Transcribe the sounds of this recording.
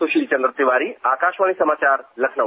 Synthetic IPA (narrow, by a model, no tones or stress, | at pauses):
uɕilt͡ɕənd̪ɾət̪iʋaɾiakaɕʋaɽ̃isəmat͡ɕaɾləkʰnə